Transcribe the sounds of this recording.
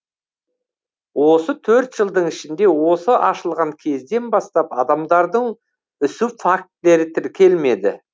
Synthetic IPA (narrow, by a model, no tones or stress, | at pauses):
wʔo̞sət̪ʰɵɾt̪ʒ̥əlˠd̪əɴɪʃɪnd̪e̞wo̞səʔɑʃəlˠʁɑŋkʲʰe̞zd̪e̞nbɑst̪ɑpɑd̪ɑmd̪ɑɾd̪əɴ | ʏsufak̚t̪le̞ɾɪt̪ʰɪɾkʲʰe̞lme̞d̪ɪ̰